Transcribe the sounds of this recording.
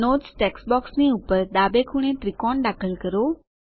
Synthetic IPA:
notsʈeksbɔksniupəɾd̪abekʰuɳ̃et̪ɾikɔɳɖakʰəlkəɾo

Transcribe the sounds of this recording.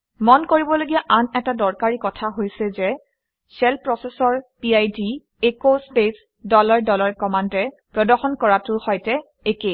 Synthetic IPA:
mɔnkoɹibɔloɡijaʔanɛtadɔɹkaɹikɔtʰaɦojsɛzɛ | sɛlpɹɔsɛsɔɹpiajdi | ekospes | dɔlaɹdɔlaɹkɔmandɛ | pɹɔdɔɹxɔnkɔɹatʊhɔjtɛ | eke

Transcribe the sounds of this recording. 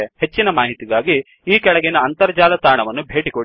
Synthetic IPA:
he̞t͡ʃːinɐmaːɦit̪iɡaːɡi | iːkɛɭɐɡɛnɐːnt̪ɐɾɐd͡ʒaːlɐt̪aːɳɐʋɐnːubʱe̞ːʈikoɽ

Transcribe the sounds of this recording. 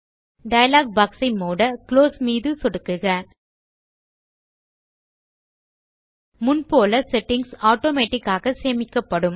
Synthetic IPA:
ɖɐjɐlaːɡ̚baːksɪmoːɽɐkloːsmiːðɯsɔɽɯkːɯɣɐ | mʊnpoːlɐsɛʈːɪŋɡsaːʈoːmeːʈːɪkːaːɣɐseːmɪkːɐpːɐɽɯm

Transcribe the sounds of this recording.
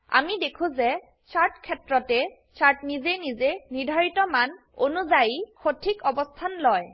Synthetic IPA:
a̰midekʰũzɛ | saɹtkʰɛtɹɔtɛ | saɹtnizenizeniɹdʱaɹitɔman | o̰nuzajixotʰikɔbɔstʰanlɔj

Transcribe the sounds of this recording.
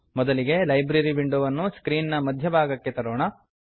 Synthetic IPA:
mɔd̪ɐliɡe̞lɐjbɾɐɾiʋiɳɖoʋɐnːuskɾiːnnɐmɐd̪ʱjɐbʱaːɡɐkːe̞t̪ɐɾoːɳɐ

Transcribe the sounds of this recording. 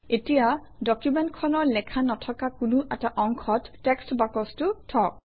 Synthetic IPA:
etija | dɔkjumɛntkʰɔnɔɹlɛkʰanɔtʰɔkakʊnuʔɛtaʔɔŋkʰɔtːɛkstbakɔstutʰɔk̚

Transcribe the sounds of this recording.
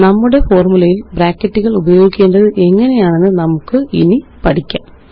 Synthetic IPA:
nɐmːuɽe̞fo̞ːrmulɐjilbɾaːkːɐtːuɣɐɭubɐjo̞ːɡikʲːe̞ːnɖɐðɨʔe̞ŋːɐne̞jaːɳe̞nːɨnɐmukːɨḭnipɐʈʰikʲːa̰ː

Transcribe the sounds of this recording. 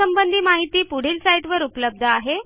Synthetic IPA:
əmbənd̪ʱiːmaɦit̪iːpuɽ̤iːlsajʈʋəɾupləb̚d̪ʱəaɦe

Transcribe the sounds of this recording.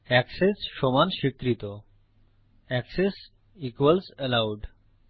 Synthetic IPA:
ɛksesʃomanʃikɾit̪o | ɛkses | ikʋəlsəlawɖ

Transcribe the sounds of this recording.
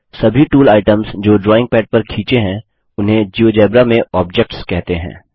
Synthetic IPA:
sɐbʱiʈuːlaːɪʈəmzd͡ʒoːɖɾɔːɪ̃ŋɡ̚pɛːʈ̚pɐɾkʰiːt͡ʃeɦɛ̃ | ʊnɦẽd͡ʒioːd͡ʒɛːbɾamẽɔːb̚d͡ʒɛk̚ʈskɛɦt̪eɦɛ̰̃ː

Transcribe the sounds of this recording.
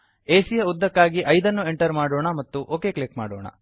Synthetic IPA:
eːsijɐud̪ːɐkːaːɡiʔɐjd̪ɐnːue̞ɳʈɐɾmaːɽoːɳɐmɐt̪ːuʔoːke̞ːklikma̰ːɽo̰ːɳɐ̰

